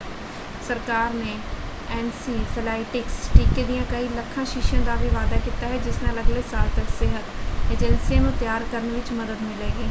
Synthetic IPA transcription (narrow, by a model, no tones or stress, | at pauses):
səɾkaːɾneː | ɛːnsiːpʰɪlaːɪʈɪksʈiːkeːd̪ijãːkəiːləkʰːãːʃɪʃjãːd̪aːʋiːʋaːd̪aːkiːt̪aːɦɛːd͡ʒɪsnãːləɡleːsaːɾt̪əksɪɦət̪eːd͡ʒɛnsijãːnũːt̪jaːɾkəɾnːʋɪt͡ʃməd̪əd̪mɪleːɡeː